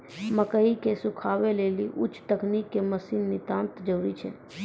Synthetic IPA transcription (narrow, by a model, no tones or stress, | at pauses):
məkəikesʊkʰaːweleːliʔʊ̰t͡ʃːt̪əknikːeməsiːnːɪt̪aːnt̪d͡ʒəɾɾit͡ʃʰɛ̰̃